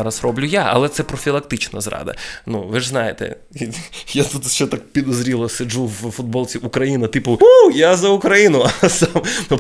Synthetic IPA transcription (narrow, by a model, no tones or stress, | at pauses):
ɾɐsrɔblʲʊjaɐ̰lˠɛt̪sɛpɾɔfʲilˠɐk̚t̪ɪt͡ʃnɐzɾɑ̰d̪ɐ̰nuʋɪʐznɑjɪt̪ɛ̰ | jat̪ut̪ʃt͡ʃɛt̪ak̚pʲid̪ɔzɾʲilˠɔsʲɐd͡ʒuwfʊd̪̚bɔlʲˠt͡sʲiʔʊkɾɐjinɐt̪ɪpʊujazɐʊkɾɐjinʊɐsɑmnu